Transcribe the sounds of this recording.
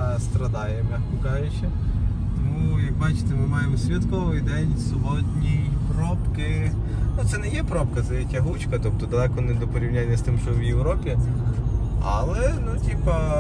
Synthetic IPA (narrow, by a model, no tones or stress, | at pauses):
st̪ɾɐd̪ɑjɛmɛkɔkɑʒɪt͡ʃʲːɐ | t̪ɔmujɐk̚bɑt͡ʃɪ̥t̪ɪmɪmɑjemɔsʲʋʲit̪kɔʋɪjd̪ɛnʲsʊbɔdʲnʲijpɾɔpkɪ | nut̪sɛnɛjɛpɾɔpkɐt̪sɛjɛtʲɐɦut͡ʃkɐt̪ɔp̚t̪ɔd̪ɐlˠɛkɔnɛd̪ɔpɔɾʲiwnʲanʲːɐst̪ɪmʃt͡ʃɔwjewɾɔpʲi | ɐ̰lˠɛnutʲipɐ